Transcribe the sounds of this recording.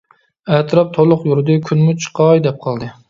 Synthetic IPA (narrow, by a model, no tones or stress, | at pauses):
ɛt̪ʰɨɾɑp̚t̪ʰolˠʊqjuɾɨd̪ɨkʲʰynmut͡ʃʰɨ̥qʰɑjd̪ɛp̚qʰɑlˠd̪ɨ